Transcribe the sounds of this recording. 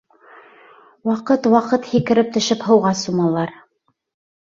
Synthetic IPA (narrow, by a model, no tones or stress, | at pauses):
wɑqɤt̪wɑqɤt̪hikɘ̆ɾɘp̚t̪ɵ̆ʃɘphɤ̆wʁɑsumɑlˠɑɾ